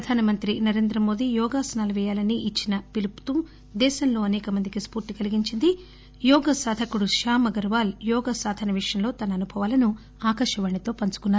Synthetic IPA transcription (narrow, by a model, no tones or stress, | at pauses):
pɾɐd̪ʱaːnɐmɐnt̪ɾinɐɾe̞ːnd̪ɾɐmo̞ːd̪ijɔːɡaːsɐnaːlɐʋɛːjaːlɐniʔit͡ʃːinɐpilupu̥t̪u | d̪ɛːʃɐmlo̞ːɐnɛːkɐmɐnd̪ikispuːɾʈːikɐliɡiɲt͡ʃind̪i | jɔːɡɐsaːd̪ʱɐkuɽuʃaːmɐɡɐɾʋaːljɔːɡɐsaːd̪ʱɐnɐʋiʂjɐmlo̞ːt̪ɐnɐːnubʱɐʋaːlɐnu | aːkɐɾʂɐʋɐɳit̪o̞ːpɐnt͡ʃu̥kunːaːɾu